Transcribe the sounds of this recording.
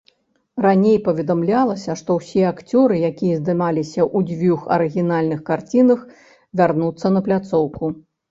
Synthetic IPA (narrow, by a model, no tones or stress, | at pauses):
ranʲejpɐvʲɛd̪amlʲalˠɐsʲɐʂt̪ɔwsʲiɛakt͡sʲɔɾɨjakʲijɐzd̪ɨmalʲisʲɐʔud͡zʲvʲuxɐ̰ɾɨɣʲinalʲnɨxkart͡sʲinɐx | vʲarnut̪sːɐnɐplʲat̪sɔwku